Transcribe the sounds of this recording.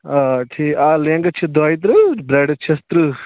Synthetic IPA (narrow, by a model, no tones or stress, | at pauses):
aʈʰiːkaːleŋɡɐt͡ʃʰid̪aːit̪̬ɾɨbɾeːɖt͡ʃʰɐst̪ɾɨ